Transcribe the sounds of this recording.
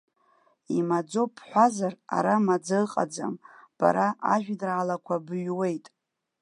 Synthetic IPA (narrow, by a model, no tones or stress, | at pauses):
imad͡zo̞pʰħʷazara̰ɾamad͡zaɨqʼa̰d͡za̰mb̥a̰ɾaʔaʒᶣdraːlakʷʰabɥwe̞jtʼ